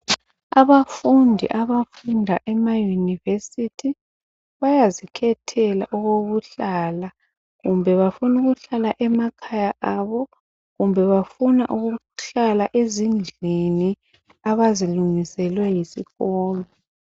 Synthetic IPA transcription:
aβafundʱḭʔaβafundʱaʔɛmajunivesitʰi | βajazikʰɛtʰɛla̰ʔɔɣoβuɬala | ɣumbʱɛβafunuɣuɬalaʔɛmakʰajaʔaβɔ | ɣumbʱɛβafunaʔuɣu | ɬalaʔezind͡ɮʱini | aβaziluŋisɛlwɛjisḭɣɔːlɔ

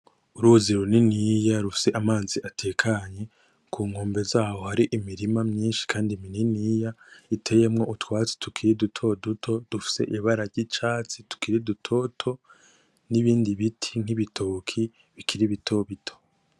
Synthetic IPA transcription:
uɾuziɾoninijaɾufi̥se̞ʔamaːziʔatʰe̞ːkʰaɲe̞ | kʰuːŋhoːmbe̞zaːho̞haɾiʔimiɾimamɲiːnʃi̥kʰaːndimininijaitʰe̞je̞mŋo̞ʔutwaːt͡si̥tʰukʰiɾidutʰo̞dutʰo̞d̥ufi̥se̞̰ʔiβaɾaɾɟit͡ʃaːt͡situ̥kiɾidutʰo̞ːtʰo̞ | niβiːndiβitʰiŋ̥hiβitʰoːkʰi | βikʰiɾiβitʰo̞βitʰo̞̥

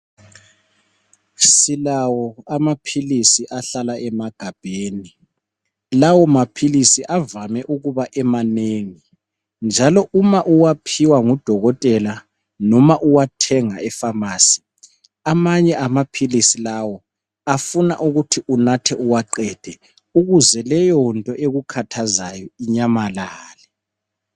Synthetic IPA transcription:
silawɔamapʰilisiʔaɬalaʔɛmaɡ̥ʱab̥ʱeːni | lawɔmapʰilisiʔavamɛʔuɣuβaʔɛmaneːŋi | nd͡ʒʱalɔʔumaʔuwapʰiwaŋud̥ʱɔɣɔtʼɛla | nɔmaʔuwatʰɛŋaɛfamaːsi̥ | amaɲɛamapʰilisilawɔ | afunaʔuɣutʰiʔunatʰɛʔuwaǃɛd̥ʱɛ | uɣuzɛlɛjɔntʼɔʔeɣukʰatʰazajɔiɲamalaːlɛ

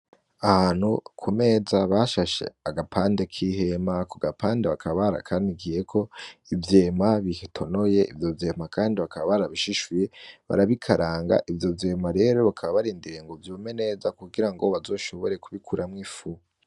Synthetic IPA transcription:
ahaːn̥hukʰume̞ːzaβaʃaʃe̞̰aɡapʰaːnde̞kʰiɦe̞makuɡapʰaːndeβakʰaβaɾa̰kʰandiɡije̞kʰo̞ivjemaβihtʰo̞noje̞ʔivjo̞vjemakʰaːndiβakʰaβaβaɾaβiʃiʃwjeβa̰ɾaβikʰaɾaːŋɡa̰ʔivjo̞vje̞maɾe̞ːɾo̞βakʰaβaβaɾiːndiɾe̞ŋɡovjoːme̞ne̞ːzakuɡiɾaŋɡoβazo̞ːʃo̞βo̞ɾe̞kuβikʰuɾamŋifu

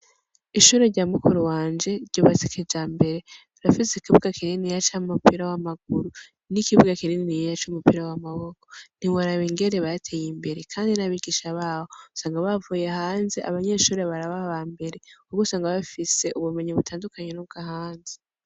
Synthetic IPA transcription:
iʃuɾe̞ɾɟaːmukuɾuwaːnd͡ʒe̞ɾɟoβasikʰed͡ʒaːmbe̞ɾe̞ | ɾafisekiβɡakininijat͡ʃamumupiɾawamaɡ̚uɾu | nikiβuɡakinininijjat͡ʃumupiːɾawamaβo̞kʰo̥n̥iwaɾaβiŋɡe̞ɾeβajatʰejimbe̞ɾe̞kʰaːndinaβiɡiʃaβahousaːŋɡaβavuje̞haːnzeʔa̰βaɲe̞ːʃuːɾe̞βaɾaβaβaːmbe̞ɾe̞uɡusaːŋɡaβafise̞ʔuβume̞ɲiβutʰaːndukʰaɲe̞nuβ̚ɡahaːnze

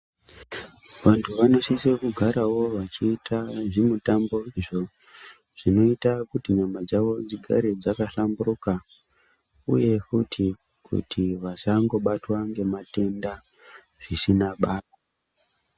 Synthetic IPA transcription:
ʋantʰuʋano̞sisekuɡʱaɾawo̞ʋat͡ʃiːtʰaʐimutambo̞iʐo̞ | ʐ̥ino̞itakutiɲamad͡zaʋo̞d͡ziɡʱa̰ɾe̞d͡zakaɬamburuka | ṵje̞kutʰi | kʰṵtʰiʋasaŋɡo̞ɓatwaŋɡe̞mate̞nda | ʐisinaɓaːla

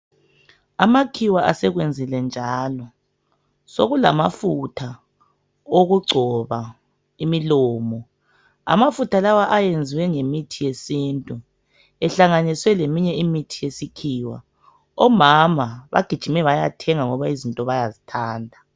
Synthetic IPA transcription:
amakʰiwaʔasɛɣwend͡zʱilɛnd͡ʒʱaːlɔ | soɣula̰mafutʰa | oɣuɡ͡ǀʱɔβa | imilɔːmɔ | a̰mafutʰalawaʔajend͡zʱiwɛŋemitʰijesintʼu | ɛɬaŋaniswɛlemiɲɛimitʰijesikʰiːwa̰ | ɔmamaβa̰ɡ̥ʱid̥ʒ̥ʱimɛβajatʰɛŋaŋɔβaizintʼɔβajazitʰaːndʱa

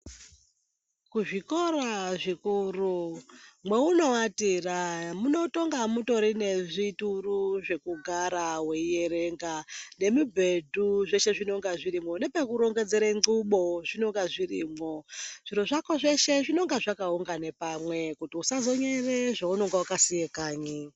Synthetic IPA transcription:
kuʐiko̞raʐikurumwe̞uno̞watiramuno̞to̞ŋɡamuto̞ɾine̞ʐituruʐe̞kuɡʱaɾawe̞ije̞ɾe̞ŋɡane̞mubʱe̞dʱuʐe̞ʃe̞ʐino̞ŋɡaʐiɾimo̞ne̞pekuɾo̞ŋɡe̞d͡ze̞ɾeŋɡuɓo̞ʐino̞ŋɡaʐiriːmoʐ̥iɾoʐakoʐe̞ʃe̞ʐino̞ŋɡaʐakauŋɡanepamwe̞kutiusazo̞ɲereʐaunoŋɡawakasijekaːɲi

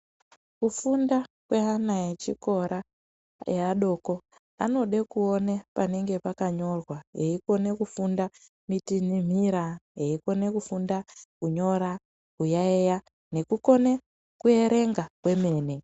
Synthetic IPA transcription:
kufundakwe̞ɦanajet͡ʃiko̞ɾa | eaɗo̞ko̞ | a̰no̞ɗekuonepane̞ŋɡe̞pakaɲo̞rwaɦeiko̞ne̞kufunda | mitinim̤iɾaɦeiko̞ne̞kufundakuɲo̞ɾa | kujaeja | ne̞kuko̞ne | kue̞ɾe̞ŋɡakwe̞me̞ːne̞

